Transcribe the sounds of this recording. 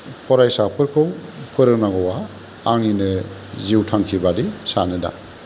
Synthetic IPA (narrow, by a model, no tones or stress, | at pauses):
pʰɔɾajsapʰɯɾkʰɯwpʰɯɾɯnaŋɔwaː | ŋinɯziwtʰaŋkʰibadisanɯda̰